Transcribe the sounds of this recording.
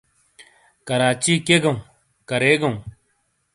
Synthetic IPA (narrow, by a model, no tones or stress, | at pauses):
kəɾaːt͡ʃiːkeːɡɐũː | kɐɾeːɡɐũː